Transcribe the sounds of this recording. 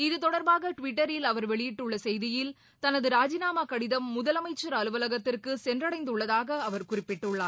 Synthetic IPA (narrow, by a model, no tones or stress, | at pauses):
ɪðɯt̪ɔɽɐɾbaːɣɐʈʋɪʈːɐɾɪlɐʋɐɾʋɛɭɪjɪʈːɯɭːɐsɛjðɪjɪl | t̪ɐnɐðɯɾaːd͡ʒɪnaːmaːkɐɽɪðɐmːʊðɐlɐmɐɪt͡ʃːɐɾɐlɯʋɐlɐɣɐt̪ːɪrkɯsɛndrɐɽɐɪnd̪ɯɭːɐðaːɣɐːʋɐɾkʊrɪpːɪʈːɯɭːaː